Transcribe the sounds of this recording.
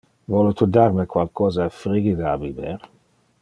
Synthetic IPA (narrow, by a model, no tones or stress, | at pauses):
vɔlut̪ud̪armekwalkɔːzaefɾiɡid̪aːbibeɾ